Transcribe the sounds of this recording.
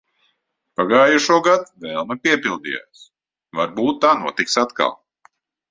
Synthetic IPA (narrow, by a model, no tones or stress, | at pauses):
paɡaːjuʃuɔɡad̪vɛlˠmɐpʲiɛpilˠd̪ḭːja̰ːs | vaɾbuːt̪ːaːnuɔt̪iksat̪ka̰lˠ